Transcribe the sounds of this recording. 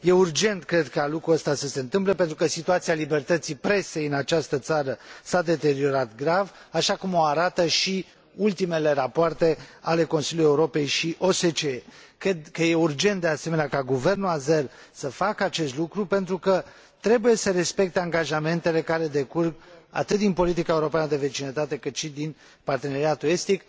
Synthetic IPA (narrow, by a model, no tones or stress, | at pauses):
je̞urd͡ʒe̞nt̪kɾe̞d̪kalukɾuəst̪asəse̞nt̪ɨmplep̬e̞nt̪ɾukəsit̪uat̪sialibe̞rt̪ət̪sipɾe̞se̞jɨnat͡ʃast̪ət̪saɾəsad̪e̞t̪e̞ɾio̞ɾat̪ɡɾav | aʃakumo̞aɾat̪əʃi | ult̪ime̞le̞ɾapoart̪e̞ale̞ko̞nsilʲjuluje̞uɾo̞pe̞jʃiʔo̞se̞t͡ʃe | ked̪kəje̞urd͡ʒe̞nt̪̚d̪ease̞me̞neakaɡuve̞rnulaze̞l | səfakəat͡ʃe̞st̪lukɾupe̞nt̪ɾukə | t̪ɾe̞buje̞səɾe̞spe̞k̚t̪eaŋɡaʒame̞nt̪e̞le̞kaɾe̞d̪e̞kurɡa̰t̪ɨt̪̚d̪inpo̞lit̪̬ikaeuɾo̞peanəd̪e̞ve̞t͡ʃinət̪at̪e̞kɨt̪ʃid̪in | part̪e̞ne̞ɾiat̪ue̞st̪ik